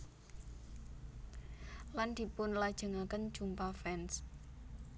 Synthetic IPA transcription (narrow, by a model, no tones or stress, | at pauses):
land̪̥i̤pʊnlad̥ʒ̥ə̤ŋakən̥d͡ʒ̥umpafɛns